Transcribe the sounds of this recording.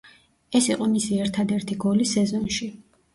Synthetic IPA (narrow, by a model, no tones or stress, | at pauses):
ɛsiqʼɔmisiɛɾt̪ʰad̪ɛɾt̪ʰiɡɔlisɛzɔnʃi